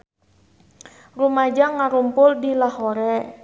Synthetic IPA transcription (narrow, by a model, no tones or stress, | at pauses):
rumad͡ʒaŋaɾumpʊldilahoɾɛ